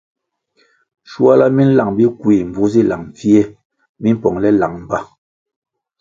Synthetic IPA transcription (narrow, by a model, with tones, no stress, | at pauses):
ʃu˦a˦la˦mi˦n̩˦la˨ŋbi˦kwi˨m̩˨bu˨˦zi˦la˨ŋm˨fi˦ɛ˦ | mi˦m˦pɔ˨ŋlɛ˦la˨ŋm̩˨ba˦